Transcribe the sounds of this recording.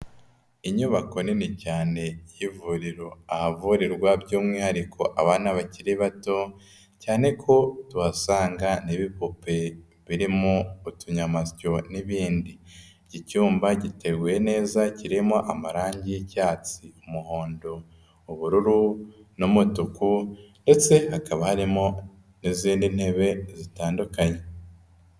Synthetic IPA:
iɲuβako̞nenecaːne̞jivuɾiɾo̞ahavuɾiɾɡwabɟuːmŋiːhaɾikʰo̞ʔaβaːnaβaciɾiβato̞ | caːne̞kʰo̞tuasaːŋɡaniβipupe̞ | βiɾimoutuɲamasco̞niβiːndi | ɟicuːmbaɟite̞ɡuje̞ne̞ːzaciɾimoʔamaɾaːɲɟicaːt͡siumuho̞ːndo̞ | uβuɾuɾunomutukunde̞t͡se̞hakaβahaɾimo̞ | niziːndin̥he̞βe̞zitaːndukaɲe̞

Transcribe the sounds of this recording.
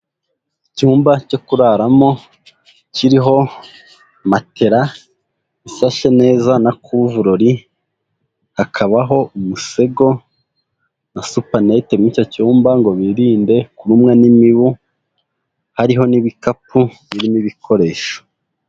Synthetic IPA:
icuːmbaco̞kuɾaːɾamo̞ | ciɾiɦo̞ | matʰe̞ɾa | isaʃe̞ne̞ːzanakʰuvuɾoɾi | hakʰaβaɦo̞umuse̞ɡo̞ | nasupanete̞muico̞cuːmbaŋɡo̞βiɾiːnde̞kuɾumŋenimiβu | haɾiɦo̞niβikapʰuβiɾiniβikʰo̞ɾe̞ːʃo̥

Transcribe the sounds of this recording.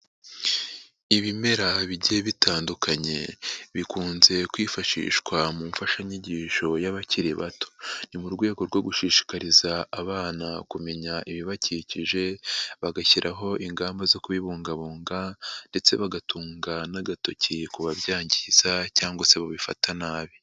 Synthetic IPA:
iβime̞ɾaβiɟeβitʰaːndukʰaɲe̞̰βikuːnze̞kwiːfaʃḭːʃkwamuːɱfaʃaɲiɟiːʃo̞jaβaciɾeβa̰to̥nimuɾɡwe̞ːɡo̞ɾɡwo̞ɡuʃiːʃi̥kaɾizaːβaːnakume̞ɲaʔiβiβaciciʒe̞βaɡaçiɾʔaɦo̞ʔiŋɡaːmbazo̞kuβiβuːŋɡaβuːŋɡande̞t͡se̞̰βaɡatuːŋɡanaɡato̞cikuβaβjaːɲɟiz̥acaːŋɡwase̞βaβifa̰tʰanaːβi

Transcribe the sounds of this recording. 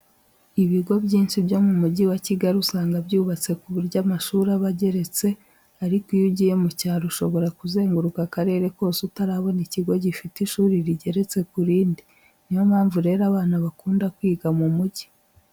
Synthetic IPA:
iβiɡo̞bɟiːnʃibjo̞mumuɟiwaciɡaɾiusaːŋɡabɟuːβat͡se̞kuβuɾɟamaʃuːɾaβaɟe̞ɾe̞t͡se̞ | aɾikijuɟije̞mucaːɾuʃo̞βo̞ɾakuze̞ːŋɡuɾukakaɾe̞ːɾeko̞ːsutaɾaβo̞niciɡo̞ɟifitiʃuːɾiɾiɟe̞ɾe̞t͡se̞kuɾiːndi | nijomhaːɱvuɾe̞ːɾaβaːnaβakuːndakwiːɡamumuɟi

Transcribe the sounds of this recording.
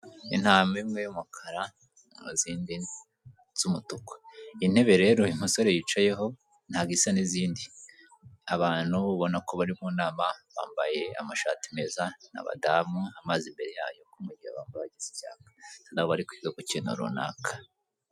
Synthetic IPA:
ḭn̥haːmimŋejumukʰaɾa | ŋṵziːndi | z̥umutuko̥in̥he̞βe̞ɾe̞ɾoim̥uso̞ɾe̞jiːt͡ʃaje̞ɦo̞ | n̥haɡisaniziːndi | aβaːn̥huββo̞nako̞βaɾimuːnaːmaβa̰ːmbaje̞a̰maʃa̰ːtime̞zana̰βa̰damuamazimbe̞ɾe̞ja̰ːjo̞kumŋeɟiha̰βaːmbaβaɟizi̥ca̰ːkḁnaoβaɾikwiɡakocino̰ɾṵna̰ːkḁ

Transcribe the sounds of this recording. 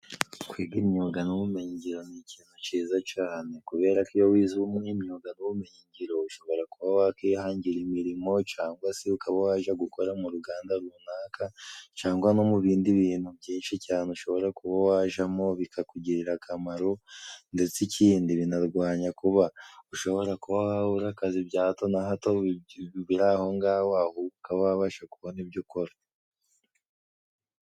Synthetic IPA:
kwiːɡimɲoɡanuβumeɲiɲɟiɾo̞niciːnut͡ʃiːzat͡ʃaːne̞kuβe̞ːɾakijowiːziβumŋimɲoɡanuβume̞ɲiɲɟiɾo̞uʃo̞βo̞ɾakuβawakeːhaːɲɟiɾimiɾimo̞t͡ʃaːŋɡwaseukaβawaːʒaɡukʰo̞ɾamuɾuɡaːndaɾuunaːkʰat͡ʃaːŋɡwano̞muβiːndiβiːn̥hubɟiːnʃicaːneuʃo̞βo̞ɾakuβawaːʒamo̞βikʰakuɟiɾiɾakʰamaɾonde̞t͡siciːndiβinaɾɡwaːɲakuβauʃo̞βo̞ɾakuβawaβuɾakazibjaːto̞naɦatoβiɾaho̞ŋɡaːwahoukaβawaβaʃakuβo̞nibjukoɾa

